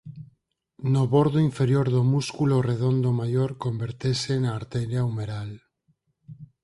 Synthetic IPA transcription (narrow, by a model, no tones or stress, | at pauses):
noβoɾðoiɱfeɾjoɾðomuskuloreð̞ond̪omajoɾkombeɾt̪esenaːɾt̪eleaumeɾal